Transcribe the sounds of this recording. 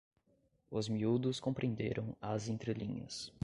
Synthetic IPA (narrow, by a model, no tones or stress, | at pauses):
ʊzmiud̪ʊskõpɾeẽnd̪eɾɐ̃w̃ɐzẽnt̪ɾelĩɲɐ̰s